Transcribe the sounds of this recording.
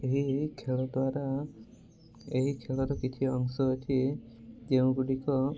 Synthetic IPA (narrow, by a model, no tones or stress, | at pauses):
eɦikʰeɭɔd̪waɾa | eɦikʰeɭɔɾɔkit̪ʰiɔŋsɔɦet̪ʰie | d͡ʒeũɡuɖikɔ